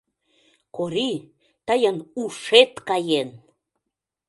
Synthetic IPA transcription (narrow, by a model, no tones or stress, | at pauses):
koɾi | t̪əjənuʃet̪kɑjen